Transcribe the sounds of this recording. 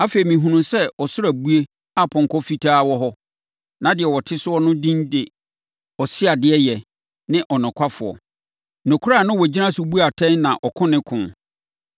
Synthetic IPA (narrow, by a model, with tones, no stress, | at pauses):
a˦fe˨i˨mĩ˨ɦũ˨nũ˨sɛ˦ɔ˨sʊ˦ɾa˨bu˦e˦ | a˦pʰɔ̃˨ŋ˨kɔ˦fi˦tʰaː˦wɔ˦ɦɔ˦ | nã˨dɪ˨ɛ˨wɔ˨tʰɪ˦sʊ˦ɔ˦nʊ̃˦dĩ˦ndɪ˨ | ɔ˨sɪ˦a˨dɪ˨ɛ˦jɛ˨ | nɪ̃˦ʔɔ˨nʊ̃˨kʷʰa˦fʊ̰˨ɔ̰˨ | nʊ̃˨kʰu˦ɾa˦˨nʊ̃˦wɔ˨d͡ʑi˦nã˦sʊ˨bu˦a˨tʰɛ̃˦nnã˨ʔɔ˨kʰʊ̃˦nɪ̃˦kʰʊ̃˨n